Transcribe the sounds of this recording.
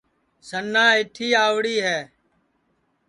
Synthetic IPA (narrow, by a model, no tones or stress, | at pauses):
sənːãːɪʈʰiːaːʋɽiːɦɛː